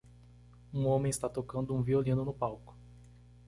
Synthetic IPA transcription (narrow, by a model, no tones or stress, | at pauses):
ũõmẽɪst̪at̪okɐ̃nd̪ʊũviolĩnʊnʊpawkʊ̥